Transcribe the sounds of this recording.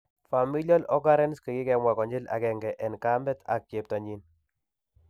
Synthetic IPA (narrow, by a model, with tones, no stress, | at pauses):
fa˨mi˦lja˦lɔ˦ɡa˦ɾɛ˦nski˨ki˦kɛmwa˨kɔ˨ɲd͡ʒɪ˦la̰˨kɛ˨ŋɡɛ˨ʔɛ˨nka˦mbɛ˦ta̰˨k̚t͡ʃe˨p̚ta˨ɲi˦n